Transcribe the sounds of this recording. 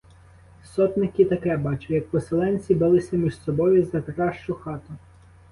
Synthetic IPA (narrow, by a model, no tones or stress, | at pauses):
sɔt̪nɪkɪt̪ɐkɛbɑt͡ʃʊjɐk̚pɔselˠɛnʲt͡sʲibɪlˠɪsʲɐmʲiʒsɔbɔjʊzɐkɾɑʃt͡ʃʊxɑt̪ʊ